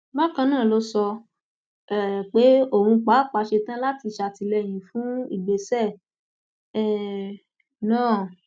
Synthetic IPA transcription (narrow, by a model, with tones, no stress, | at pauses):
ba˦kã˧˦nãː˦˨lo˦sɔ˧ | ɛ˨k͡pe˨˦o˦˨hũ˧k͡pa˨˦˨k͡pa˧ʃe˧tã˦la˦ti˧ʃa˧ti˧lɛ˧˨j̃ĩ˨fũ˨˦ḭ˦˨ɡ͡be˨˦sɛ˦˨ | ɛ˦˨ | nãː˦˨